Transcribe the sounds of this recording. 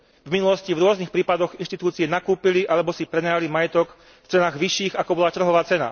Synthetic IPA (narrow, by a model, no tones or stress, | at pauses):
vminulɔscivɾʊɔznixpɾiːpad̪ɔɣinʃt̪it̪uːt͡siɪɛnakuːpiliʔalɛbɔsipɾɛnajalimajɛt̪ɔk | ft͡sɛnaːɣʋiʃiːɣakɔbɔlat̪r̩ɦɔʋaːt͡sɛna̰